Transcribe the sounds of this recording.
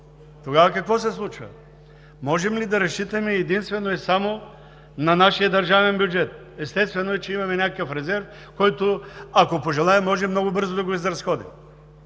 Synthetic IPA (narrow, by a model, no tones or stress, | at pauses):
t̪oɡavɐkɐkvɔsɛslˠut͡ʃvɐ̰ | mɔʒɛmlid̪ɐɾɐst͡ʃit̪ɐmɛːd̪inst̪vɛnoɛsamo | nɐnaʃijəd̪ɐɾʒavɛnbjud͡ʒɛt̪̚ | ɛst̪ɛst̪vɛnoɛt͡ʃɛimɐmɛnʲakəkəfɾɛzɛɾf | kɔjt̪oakopoʒɛlˠajɛmːɔʒɛmnɔɡʊbɤɾzod̪ɐɡoizɾɐsxɔd̪im